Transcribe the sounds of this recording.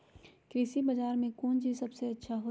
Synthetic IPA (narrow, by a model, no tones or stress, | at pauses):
kɾisibɐd͡ʒaːɾmẽkuːnd͡ʒisɐbseɐtːʃʰaɦoː